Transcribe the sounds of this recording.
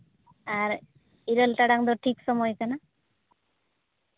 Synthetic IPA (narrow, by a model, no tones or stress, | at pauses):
aɾ | iɾolʈaɽaŋd̪oʈʰiksɔmɔjkana